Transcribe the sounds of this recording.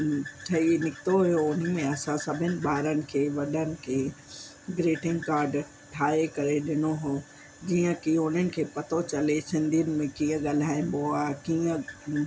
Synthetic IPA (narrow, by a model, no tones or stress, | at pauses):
ʈʰɐinɪkɪt̪oɦujoʊn̤əmẽɐsãsɐbʱɪnɪ̆ɓaːɾənɪ̆kʰeːʋɐɗənɪ̆kʰeː | ɡɾeːʈɪ̃ŋɡkaːɾɖ | ʈʰaːekɐɾeɗɪnoɦoː | d͡ʑiːə̃kĩʊn̤ənɪ̆kʰeːpɐt̪ʰot͡ɕɐlesɪ̃nd̪ʱijənɪ̆mẽkĩːə̃ɠaːl̤aːĩnboakiːə̃